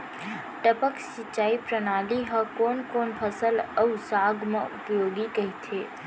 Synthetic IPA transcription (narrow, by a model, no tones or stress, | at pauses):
ʈəpəksɪt͡ʃːaːipɾənaːliɦə̃koːnkoːnpʰəsələwsaːɡmãʊpjoːɡikəɦit̪ʰeː